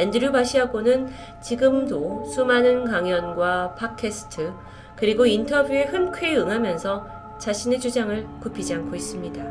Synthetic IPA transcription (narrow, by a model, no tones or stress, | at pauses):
endɯɾjobaɕʰiɦaɡonɯn | t͡ɕiɡɯmdosʰumanɯnkaŋjʌnɡwapʰakʰesʰɯ̥tʰɯ | kɯɾiɡointʰʌbjuehɯnkʰweɯŋɦamjʌnsʰʌ | t͡ɕaɕʰine̞t͡ɕud͡ʑaŋɯɭkupʰid͡ʑiaŋkʰois͈ɯmɲida